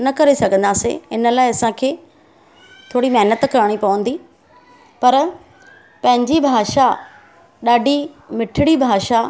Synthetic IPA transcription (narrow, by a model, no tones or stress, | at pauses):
nɐkɐɾesɐɡʱə̃nd̪aːsḛɪnə̆laːɪɐsãkʰeː | t̪ʰoːɽimɐɦɪnət̪kɐɾəɽ̃ipɐʋə̃nd̪i | pɐɾ | pɐ̃ɦɪ̃ɲd͡ʑibʱaːʃa | ɗaːɖʱimɪʈʰɪɽibʱaːʃa